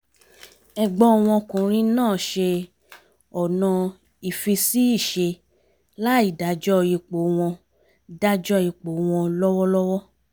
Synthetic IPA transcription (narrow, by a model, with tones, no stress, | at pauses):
ɛ˧ɡ͡bɔ˧˦ɔ˧w̃ɔ̃˧kũ˨ɾ̃ĩ˧˦nãː˦˨ʃe˧ | ɔ˨nɔ̃˧ | i˨fi˧si˦i˦˨ʃe˧ | la˦i˦˨da˨˦d͡ʒɔ˦˧˨ji˧k͡po˨˦w̃ɔ̃˧ | da˦d͡ʒɔ˦˨i˧k͡po˨˦w̃ɔ̃˧lɔ˦wɔ˦lɔ˦wɔ˦